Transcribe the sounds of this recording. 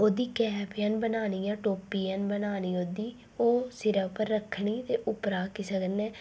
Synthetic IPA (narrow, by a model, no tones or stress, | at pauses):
oːd̪iːkɛːpʰɪjanbənaːniːjãːʈoːpiːaːnbənaːniːoːd̪iː | oːsɪɾəpəɾːəkʰːɳiːt̪eːʔʊpɾaːkiːsəknɛː